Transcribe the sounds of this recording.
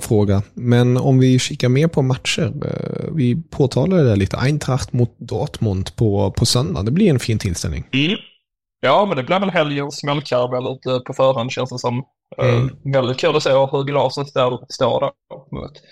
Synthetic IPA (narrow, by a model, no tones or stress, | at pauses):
fɾoːɡamɛnɔ̰mvɪʂɪkːaɾmɛpʰɔmat̪ʂəɾ̰vɪpʰoːt̪ʰɑːladɛd̪ɛːɭiːt̪ə̰ʔaɪnt̪ʰɾakt̪mʊt̪̚d̪ɑːt̪mʊnd̪pʰɔpʰɔsœnd̪a̰d̪ɛblɪɾɛnfiːnt̪ʰɪlst̪ɛ̰lnɪ̰ŋ | jɑːmɛnd̪ɛblɪɾvɛlɦɛljənsmɛlkʰaɾvɛlːʉt̪əpʰɔfœːɾɦand̪ɕɛnsənsɔm | vɛld̪ɪt̪̚kʰʉld̪ɔseːaɦɵɾɡlɑːsət̪d̪æɾst̪o̰ːɾd̪æ̰t̪mʊ̰nt̪